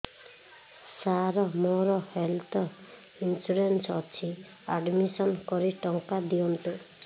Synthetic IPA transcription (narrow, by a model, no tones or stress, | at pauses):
saɾɔmoɾɔhelt̪ʰɔ | insuɾensɔt͡ʃʰi | aɖmisɔnkɔɾiʈɔŋkad̪iɔnt̪u